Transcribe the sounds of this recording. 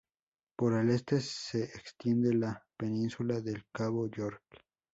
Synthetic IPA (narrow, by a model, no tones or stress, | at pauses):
po̞ɾele̞st̪e̞se̞ekst̪je̞nd̪e̞lape̞nĩnsulaðe̞lkaβoʝoɾk